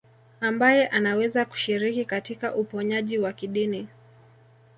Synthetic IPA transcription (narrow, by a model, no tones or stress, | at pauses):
ambajɛʔanawɛzaku̥ʃiɾikikatikaʔupɔɲaʄiwakiɗini